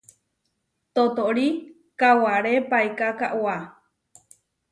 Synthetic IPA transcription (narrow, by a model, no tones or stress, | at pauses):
t̪ot̪oʔɾi | kawaɾepaekakaʔwa